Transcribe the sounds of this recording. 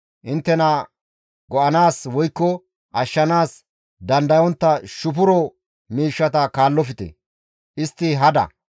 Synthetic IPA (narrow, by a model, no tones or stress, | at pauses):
ʔɪnt̪ːɛnɐ | ɡɔʔɐnaːswɔjkːɔ | ʔɐʃːɐnaːs | d̪ɐnd̪ɐjɔnt̪ːɐʃʊpʊɾɔ | miːʃːɐt̪ɐkaːlːɔfɪt̪ɛ̰ | ʔɪst̪ːɪɦɐd̪ɐ̰